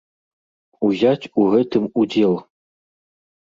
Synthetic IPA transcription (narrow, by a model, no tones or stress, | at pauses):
ujɑtʲuɣɘ̆t̪ɘ̆mud̪ʲelˠ